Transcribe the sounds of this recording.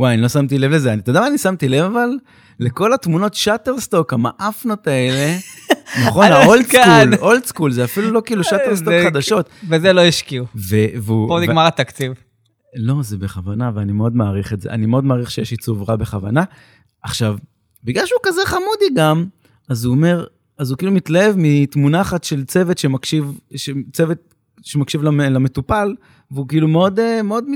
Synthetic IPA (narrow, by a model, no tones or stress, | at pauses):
wajanilo̞samt̪ile̞vle̞zeanit̪od̪amaːnisamt̪ile̞vavalː | e̞ko̞lat̪muno̞tʃat̪eʁst̪o̞kamaʔafno̞t̪ae̞le̞naχo̞nnaolsuloltskulzeafilulo̞kiːluʃat̪eʁstoχad̪aʃo̞t̪vezeloiʃkiuveveuboniɡmaʁat̪akt͡siv | lo̞zebeχavanaveanimeo̞d̪maːʁiχetzeʔa̰nimeo̞d̪maːʁiχʃejeʃit͡suvʁabe̞χava̰na | aχʃav | biɡlalʃeukazeχamud̪iɡam | azuome̞ʁ | azukiːlumit̪lae̞vmit̪munaːχat̪ʃe̞lt͡se̞vet̪ʃemakʃivʃet͡sevet̪̚ | ʃemakʃivlalame̞t̪upal | veukiːlumeo̞d̪emeo̞d̪mi